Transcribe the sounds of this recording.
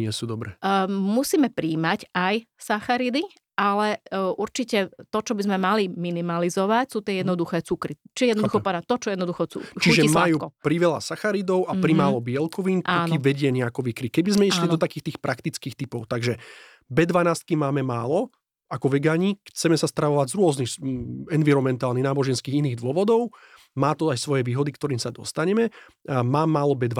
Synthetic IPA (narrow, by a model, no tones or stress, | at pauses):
ɲɪɛsuːd̪ɔbɾɛmusiːmɛpɾiːmacajsaxaɾid̪i | ʔalɛʔuɾt͡ʃicɛt̪ɔt͡ʃɔbizmɛmaliminimalizɔʋacsuːt̪ɪɛjɛd̪nɔd̪uxɛːt͡sukɾit͡ʃijɛd̪ndduxɔpɔnat̪ɔt͡ʃɔjɛd̪nɔd̪uxɔt͡sṵːt͡ʃiʒɛismajuːkɔpɾiʋɛla̰saxaɾid̪ɔʊapɾimaːlɔbɪɛlkɔʋiːnʔ̪aɔnkiʋɛɟɪɛɲɛakɔʋikɾikɛbizmɛiʃlid̪ɔt̪akiːxt̪iːxpɾʔakt̪it͡skiːxt̪ipɔʊt̪aɡʒɛ | bɛd̪ʋanaːst̪̚kimaːmɛmaːlɔ | akɔʋɛɡaːɲixt͡sɛmɛsast̪ɾaʋɔʋaɟzɾʊɔznixɛnʋiɾɔnmɛnt̪aːlniɣnaːbɔʒɛnskiːɣiniːɣd̪ʋʊɔʋɔd̪ɔʊ | maːt̪ɔajsʋɔjɛʋiːɦɔd̪ikt̪ɔɾiːmsad̪ɔ̰st̪aɲɛmɛ | maːmːaːlɔbɛd̪ʋa